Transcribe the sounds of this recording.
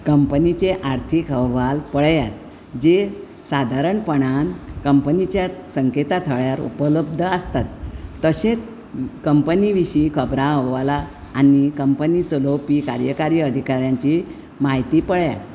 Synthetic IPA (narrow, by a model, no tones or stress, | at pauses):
kəmpənit͡ɕeʔaɾt̪ʰikəʋalpəɽjat̪ | d͡ʑe | sad̪ʱaɾəɳpəɳ̃ankəmpənit͡ɕjasəŋket̪at̪ʰəɭjaɾṵpələb̚d̪ʱəəst̪at̪ːəɕet͡s | kəmpəniʋiɕiːkʰəbɾãɦoʋalaː | nikəmpənit͡səlopikaɾjəkaɾjəəd̪ʱikaɾjãɲt͡ɕi | maɦit̪iːpəɭja̰t̪